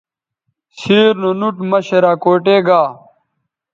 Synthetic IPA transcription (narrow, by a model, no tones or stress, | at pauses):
siːɾnonuʈmɐɕeɾaːkoːʈeːɡaː